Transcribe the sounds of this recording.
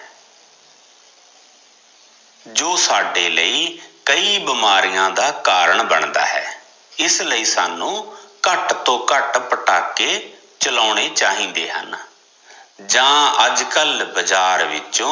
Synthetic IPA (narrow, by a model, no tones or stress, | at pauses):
d͡ʒoːsaːɖeːləiːkəiːbəmaːɾijãːd̪aːkaːɾəɳbəɳd̪a̰ːɦɛ̰ː | ɪsləiːsaːnũːkəʈt̪õːkəʈpəʈaːkːeː | t͡ʃəlaːɳeːt͡ʃaːɦĩːnd̪ḛːɦə̰n | d͡ʒãːəd͡ʒkəlbəd͡ʒaːɾʋɪ̰t͡ʃõː